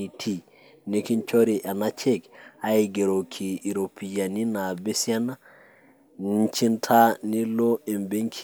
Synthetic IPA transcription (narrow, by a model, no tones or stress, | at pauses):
itʰi | nekint͡ʃoɾiʔanat͡ʃekaiɡeɾokʰiʔːɾopʰijaninabesiana | nt͡ʃintʰaniloɛmbeŋkʰ